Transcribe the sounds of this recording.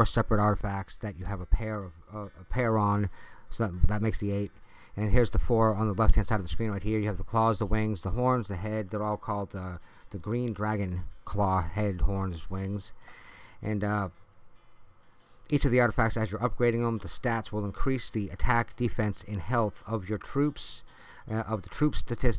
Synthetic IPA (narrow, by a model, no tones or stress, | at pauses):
sɛpɹɨɾɑɹɾəfæk̚tsðɨt͡ʃɨːvəpʰɛɹʌvʌpʰɛɹə̃nsoðt̚ðət̚meɪksðieɪɾ | ɨ̃nɦiɹzðəfɔɹə̃nðəlɛfthæ̃nsaɪɾʌvðəskɹ̥ĩnɹaɪt̚hiɹjɨːvðəkʰl̥ɔzðəwɪ̃ŋzðəhɔɹnzðɨɦɛd̪̚ðə˞ɔlˠkʰɔlˠd̪̚ðəðɨɡɹĩndɹæɡɨ̃nkʰl̥ɔhɛd̚hɔɹnzwɪ̃ŋz | ʔɨ̃n | it͡ʃʌvðiɑɹɾɨfæk̚tsɨzjə˞ʌp̚ɡ̥ɹeɪɾɪ̃ŋə̃mðɨstætswəlˠə̃nkʰɹ̥isðiɨtʰæk̚d̥ɨfɛ̃nsɪ̃nhɛlˠθʌvjə˞tʰɹ̥ʉps | ʌvðɨtʰɹ̥ʉpstɨtʰɪs